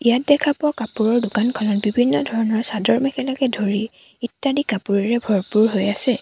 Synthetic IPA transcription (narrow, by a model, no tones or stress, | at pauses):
ijat̚dɛkʰapʊakapuɹɔɹdʊkankʰɔnɔt̚bibʱinːɔdʱɔɹɔnɔɹsadɔɹmɛkɛlakɛdʱoɹi | itːadikapuɹiɹɛbʱɔɹpuɹɦojasɛ